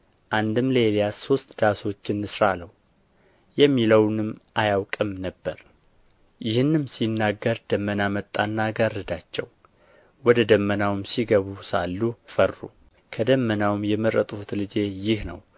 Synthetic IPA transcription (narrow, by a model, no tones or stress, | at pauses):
ʔand̪ɨmləelijaso̞st̪d̪aso̞t͡ʃːɪnːɨsɾaləw | jɛmːiləwnɨmʔajawkʼɨmnəbːəɾ | jɪhɨnːɨmsinːaɡːəɾd̪̥əmːənamət̪ʼːanːaɡarəd̪at͡ʃːɛ̰w | wɔd̪əd̪əmːənawɨmsiɡəβusalːufərːṵ | kʰəd̪əmːənawmjɛmɨɾət̪ʼfut̪lɨd͡ʒe̞jɪhnə̰w